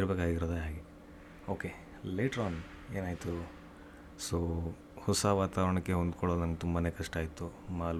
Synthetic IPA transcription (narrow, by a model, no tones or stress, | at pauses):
ɾɐbeːkaːɡiɾoːd̪eɦaːɡe | oːke | leːʈɐɾaːn | e̞ːnaːjit̪u | soː | hɔsaʋaːt̪aːʋɾɐɳɐkːe̞ɦond̪kɔɭod̪nɐmɡet̪umbanekɐʂʈaːjit̪ːumaːl